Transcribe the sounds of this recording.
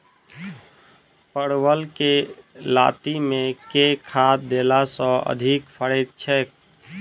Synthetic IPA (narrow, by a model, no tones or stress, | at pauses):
pəɽwəlkela̰t̪imẽkekʰat̪̚d̪elasɔ̃ə̰d̪ʱikpʰəɽəɪt̪̚t͡ʃʰɛk̚